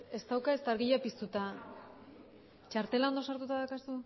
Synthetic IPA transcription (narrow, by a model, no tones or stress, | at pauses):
e̞st̪awkae̞st̪aɾɣiʎapist̪ut̪a | t͡ʃaɾt̪e̞laond̪o̞saɾt̪ut̪aðakasu